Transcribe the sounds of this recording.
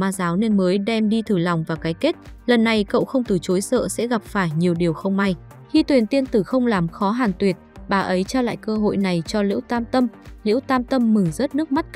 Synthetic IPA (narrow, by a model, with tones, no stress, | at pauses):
maː˧zaː˨˦wne˧nməː˨˦jɗɛ˧mɗi˧t̪ʰɨ˨˩la˨˩wŋ͡mvaː˨˩wkaː˨˦jke˦˥t̚lə˨˩nːa˨˩jkə̰˧˨wxə˧wŋ͡mt̪ɨ˨˩t͡ɕo˨˦jsə̰ː˧˨sɛ̰˧˥ɣa˨˩p̚faː˧˩jɲi˨˩əwɗi˨˩əwxə˧wŋ͡mma˧j | xi˧t̪wi˨˩ənt̪i˧ənt̪ɨ˧˩xə˧wŋ͡mlaː˨˩mxɔ˨˦ɦaː˨˩nt̪wi˨˩ət̚ɓaː˨˩ʔə˨˦jt͡ɕaː˧la̰ː˧˨jkəː˧ɦo̰˧˨jna˨˩jt͡ɕɔ˧lḭ˧˥əwt̪aː˧mt̪ə˧mlḭ˧˥əwt̪aː˧mt̪ə˧mːɨ˧˩zə˦˥t̚nɨ˦˥k̚ma˦˥t̚k